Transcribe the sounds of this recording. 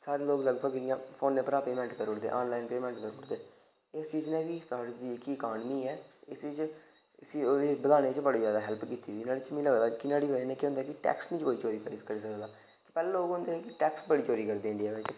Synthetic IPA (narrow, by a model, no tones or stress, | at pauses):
saːɾeːloːɡləɡbəɡɪjãːpʰoːnːẽːpəɾaːpeːmɛ̃ːɳʈkəɾʊʈd̪ḛːʔaːnlaːɪnpeːmɛ̃ːɳʈkəɾʊʈd̪eː | eːst͡ʃiːd͡ʒnɛ̃ːbiːpaɽd̪iːɪkːiəkaːnmiːɛːɪsit͡ʃ | siːdeːbəd̪aːɽ̃eːt͡ʃbəɽeːzjaːd̪aːɦɛlpkiːt̪iːsɪnaːɽiːt͡ʃmĩːləɡd̪aːkɪnaːɽiːʋəd͡ʒnẽːkeɦõnd̪aːkɪʈɛ̰ːksnĩːt͡ʃkoːiːt͡ʃoːɾiːpaiːskəɾiːsəkd̪aː | kɪ̥pɛːleːloːɡɦʊ̃nd̪eːkɪʈɛːksbəɽiːt͡ʃoːɾiːkəɾd̪eːɪɳɖijaːʋeːt͡ʃ